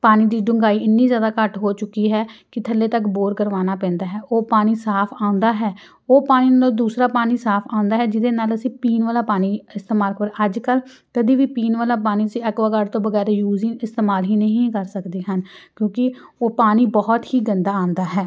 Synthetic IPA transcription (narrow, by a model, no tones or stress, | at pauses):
paːniːd̪iːɖʊŋɡaːiːɪnːiːzjaːd̪aːkəʈɦoːt͡ʃʊkːiːɦɛːkɪt̪ʰəlːeːt̪əkboːɾkəɾʋaːnaːpɛ̃ːnd̪aːɦɛːʔoːpaːniːsaːpʰãːnd̪aːɦɛː | oːpaːniːnaːlod̪uːsɾaːpaːniːsaːpʰãːnd̪aːɦɛːd͡ʒɪd̪eːnaːləsĩːpiːnʋaːlaːpaːniːɪst̪eːmaːlkəɾəd͡ʒkəl | kəd̪iːʋiːpiːnʋaːlaːp̬aːniːəsĩːɛkʋaːkaɾt̪õːʋəɡɛːɾeːjuːziːɪst̪eːmaːlɦiːnəɦĩːkəɾsəkd̪eːɦənkjõːkɪoːpaːniːbɔːɔt̪hiːɡənd̪aːãːnd̪aːɦɛː